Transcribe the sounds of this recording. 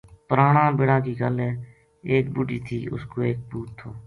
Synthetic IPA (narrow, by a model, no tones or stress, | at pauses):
pəɾaːɳãːbɪɽãːkiːkəlɛː | eːk̚buʈiːt̪ʰiːʊ̰skoːeːk̚buːt̪ʰːoː